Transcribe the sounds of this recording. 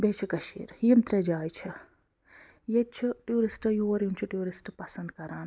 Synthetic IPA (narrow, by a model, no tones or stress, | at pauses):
bet͡ʃʰikɐʃḭːɾjimt̪ɾed͡ʒaːjt͡ʃʰɐ | jet͡ʃʰiʈjuɾisʈjoɐɾjint͡ʃʰuʈjuːɾisʈpɐsɐnd̪kɐɾaːn